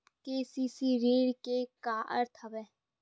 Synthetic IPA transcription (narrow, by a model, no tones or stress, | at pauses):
keːsiːsiɾeːɽkekaːʔə̰ɾt̪ʰɐbeː